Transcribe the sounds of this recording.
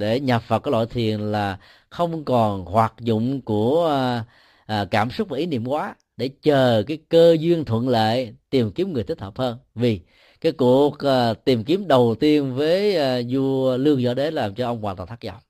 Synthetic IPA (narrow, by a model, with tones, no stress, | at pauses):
ɗe˧˩ɲə˨˩p̚fə˨˩t̚kːɔː˨˦˥lɔ̰˧˨jt̪ʰi˨˩ənlaː˨˩ | xə˧wŋ͡mkɔ˨˩nhwaː˨˩t̚zʊ̰˧˨ŋ͡mku˧˩ə | ʔkaː˧˩msʊ˦˥k͡p̚vaː˨˧˩ʔi˨˦nḭ˧˨əmkwaː˨˦ | ɗe˧˩t͡ɕəː˨˩kaː˨˦jkəː˧zwi˧ənt̪ʰwə̰˧˨nlaḛ˧˨jt̪i˨˩mki˨˦əmŋ˨˩t̪ʰi˦˥t̪̚ʰːəː˨˩p̚həː˧nvi˨˩ | kaː˨˦jku˨˩ək̚ːt̪i˨˩mki˨˦əmɗə˨˩wt̪i˧ənvəː˨˦jzu˧əlɨ˧əŋzɔ̰˧˦ɗe˨˦laː˨˩mt͡ɕɔ˧ʔə˧wŋ͡mkwaː˨˩t̪aː˨˩t̪ʰa˦˥k̚zɔ̰˧˩˦ŋ͡m